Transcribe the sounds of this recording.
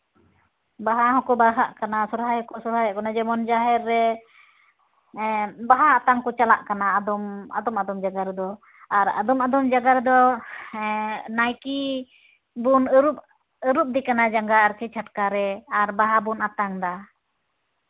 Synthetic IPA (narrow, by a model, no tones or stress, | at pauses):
baɦaɦɔkɔbaɾɦaʔkanasuɾɦajɔkɔsuɾɦajaʔkɔnad͡ʒɛmɔnd͡ʒaɦɛɾːɛ | baɦaːt̪aŋkɔt͡ʃalaʔkanaːd̪ɔma̰d̪ɔmad̪ɔmd͡ʒaɡaɾd̪ɔ | aɾa̰d̪ɔmad̪ɔmd͡ʒaɡaɾd̪ɔ | najki | bunəɾup̚ | əɾup̚d̪ikanad͡ʒaŋɡaaɾkɛt͡ʃʰaʈkaɾɛaɾbaɦabunat̪aŋd̪a